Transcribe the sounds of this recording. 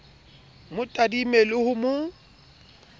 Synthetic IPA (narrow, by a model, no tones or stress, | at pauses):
mʊtʼadimelʊhʊmʊ